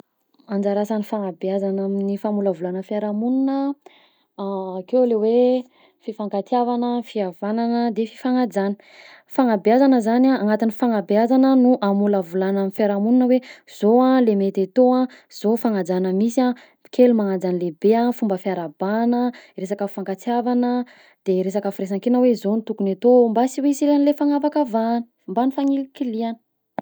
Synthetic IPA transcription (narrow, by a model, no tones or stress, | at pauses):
and͡zaɾasanifaŋabjazanaminifamuləvulanəfiaɾamununə | kewlewe | fifaŋkat̪javanəfiavananəd̪efi̥faŋad͡zanə̥ | faŋabjazanəzanaaŋat̪inifaŋabazanənuʔamuləvulanamifjaɾamununəwez̥oalemet̪et̪oã | z̥ofaŋad͡zanəmisia | kelumaŋad͡zanilebeafumbəfiaɾabanəɾesakəfaŋkat͡siavanə | d̪̥eɾesakafɾes̬aŋkenawezonit̪ukunet̪ombasiweisilanilefaŋavakavanə̥ | mbanifaŋilikilianə̥